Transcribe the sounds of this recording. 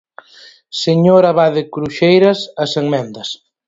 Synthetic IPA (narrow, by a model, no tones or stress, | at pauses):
seɲoɾɐβaðɪkɾuʃejɾɐsɐseŋmɛnd̪ɐs